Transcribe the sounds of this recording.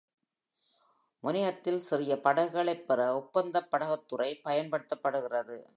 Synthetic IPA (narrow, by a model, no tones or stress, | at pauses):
mʊnɪjɐt̪ːɪlsɪrɪjɐpɐɽɐɣɯɣɐɭɐɪpːɛrɐʊpːɐnd̪ɐpːɐɽɐɣɐt̪ːɯrɐɪpɐjɐnpɐɽɯt̪ːɐpːɐɽɯɣɪrɐðɯ